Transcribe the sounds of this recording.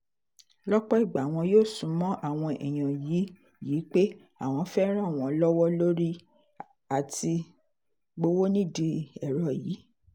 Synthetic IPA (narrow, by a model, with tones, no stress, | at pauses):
lɔ˦k͡pɔ˦i˦˨ɡ͡ba˨w̃ɔ̃˧joː˦˨sũ˨˦mɔ̃˦ʔa˦˨w̃ɔ̃˧ʔɛ̰˨j̃ã˨ji˨˦ | ji˨˦k͡pe˦ | a˦˨w̃ɔ̃˧fɛ˦ɾ̃ã˦˨w̃ɔ̃˨˦lɔ˦wɔ˦lo˦ɾi˦ | a˨ti˧ | ɡ͡bo˧wo˦nĩ˦˨di˧ɛ˨ɾɔ˨jiː˨˦